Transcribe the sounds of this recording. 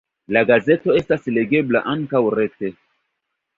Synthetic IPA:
laɡaze̞to̞e̞stasle̞ɡe̞blaʔaŋkawɾe̞k̚te̞

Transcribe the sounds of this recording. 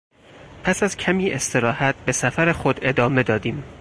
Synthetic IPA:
pʰæsæz̥cʰæmiːʔe̞st̪ʰe̞ɾɒːhæt̪̚be̞sæfæɾexo̞d̪e̞d̪ɒːme̞d̪ɒːd̪iːm

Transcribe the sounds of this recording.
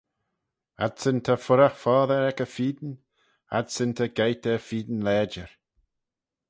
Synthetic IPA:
a̰d̪sɪnt̪ʰafʊɾaxfɔːðəɾɛkəfiːd̪ən | a̰d̪sɪnt̪ʰəɡejt̪əfiːd̪n̩lɛːd͡ʒəɹ

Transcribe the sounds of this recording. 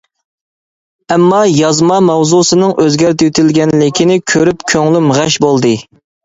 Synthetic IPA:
ɛmːɑjɑzmɑmɑwzusɨnɨŋʔøzɡʲæɾt̪ʰyjyt̪ʰɪlɡʲɛnlɪkʲʰinɪkʲʰøɾypkʲʰøŋlymʁæʃbolˠd̪ɨ

